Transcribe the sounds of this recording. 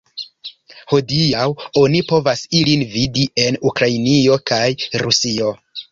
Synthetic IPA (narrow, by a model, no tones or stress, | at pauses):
ho̞diawo̞nipo̞vasilinvidie̞nukɾainio̞kajɾusio̞